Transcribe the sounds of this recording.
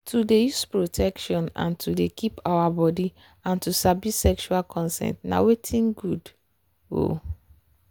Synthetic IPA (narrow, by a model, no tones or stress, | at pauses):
tʰudejuspɹotʰɛkʃɔ̃nã̰ntʰudekʰipawabɔdi | ãntusabisɛkʃualkʰɔ̃nsɛ̰̃ntna̰wetʰĩnɡud | o̰